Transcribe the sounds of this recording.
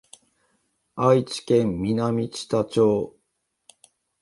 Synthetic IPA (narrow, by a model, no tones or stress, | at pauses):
ait͡ɕi̥kẽ̞mːʲinamʲit͡ɕi̥t̪at͡ɕo̞ː